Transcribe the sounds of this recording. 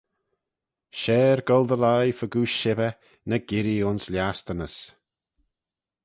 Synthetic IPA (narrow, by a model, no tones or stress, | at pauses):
ʃɛːɹɡɔlˠd̪əlajfəɡuːʃɪvə | nəɡɪɾiʊnsljast̪ənəs